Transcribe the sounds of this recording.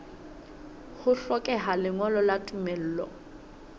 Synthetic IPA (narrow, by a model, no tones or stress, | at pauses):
hʊɬɔkʼɛɦalɪŋɔlɔlatʼumɛl̩ːlɔ̰